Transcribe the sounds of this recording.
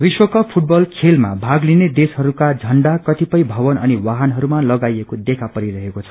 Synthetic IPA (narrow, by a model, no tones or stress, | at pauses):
biswʌkʌpʰuʈ̚bʌlkʰelma̰bʱaɡlined̪esɦʌɾukad͡zʱʌɳɖakʌt̪ipʌjbʱʌbʌnʌniwaɦanɦʌɾumalʌɡajekod̪ekʰapʌɾiɾʌɦekot͡sʰʌ̥